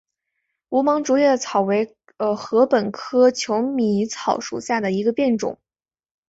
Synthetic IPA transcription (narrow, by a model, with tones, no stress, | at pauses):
u˧˥mɑ˧˥ŋʈ͡ʂu˧˥jɛ˥˩t͡sʰɑ˨˩ʊwe˧˥ɪ | ə˧xɤ˧˥pə˨˩nkʰɤ˥t͡ɕʰjo˧˥ʊmi˧˨˥t͡sʰɑ˨˩ʊʂṵ˨˩ɕja˥˩d̪ə˩i˧˥ɡə˧pjɛ˥˩nʈ͡ʂʊ̰˨˩˦ŋ